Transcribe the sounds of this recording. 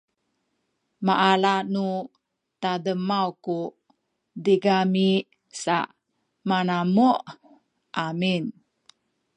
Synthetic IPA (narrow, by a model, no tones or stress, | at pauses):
maʔalanu | tadəmawku | diɡami | sa̰ | manamuʔ | ʔamin